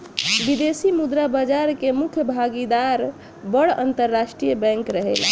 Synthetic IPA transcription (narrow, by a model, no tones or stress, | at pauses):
bid̪esimud̪ɾabad͡ʒaɾkemukʰjəbʱaɡid̪aɾ | bəɽə̰nt̪əɾːasʈɾijəbɛ̃ŋkɾəɦḛla̰